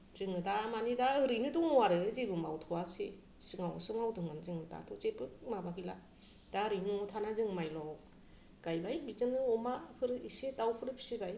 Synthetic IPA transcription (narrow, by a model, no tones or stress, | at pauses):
zɯŋɯdamanidaɯɾɯjnɯtɔŋɔwaɾɯzibɯma̰wtʰɔwase | sɯŋawsɯŋawdɯŋanzɯŋɯta̰tʰɔt͡ʃepɯmabakʰila̰ | d̥aɾɯjntʰanazɯŋmajlɔ | ɡ̥ajbajbizɯnɯɔmapʰɯɾɯisetawpʰɯɾɯpʰi̥sibaj